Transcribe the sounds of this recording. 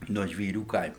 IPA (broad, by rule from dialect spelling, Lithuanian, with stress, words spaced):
nuɔ ʒʲʋʲiːˈrʲuː ˈkɐɪmʊ